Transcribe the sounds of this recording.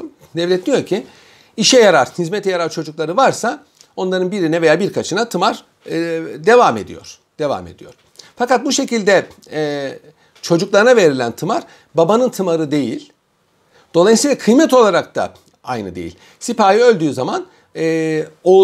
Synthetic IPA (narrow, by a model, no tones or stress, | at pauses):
d̪ɛvlʲɛt̪nʲijo̞ɾcʰi | iʃɛjaɾaɾ̥hizmet̪ʰɛjaɾaɾt͡ʃʰo̞d͡ʒuklˠaɾɯvaɾsa | onlˠaɾɯnbiɾinɛve̞jaːbiɾkʰat͡ʃʰɯnat̪ʰɯmaɾ | d̪e̞vame̞̰d̪ḭjo̞̰ɾ̥ | d̪̥e̞va̰me̞̰d̪ijo̞̰ɾ̥ | fakat̪̚buʃe̞cilʲd̪ɛ | t͡ʃʰo̞d͡ʒuklˠaɾɯnave̞ɾilʲænt̪ʰɯmaɾ | babanɯnt̪ʰɯmaɾɯd̪e̞jilʲ | d̪̥olˠajisijlʲˠakʰɯjmɛt̪o̞lˠaɾak̚t̪a̰ | ajnɯ̰d̪e̞̰jḭlʲ | sipaːjiø̞lʲd̪yːzaman | o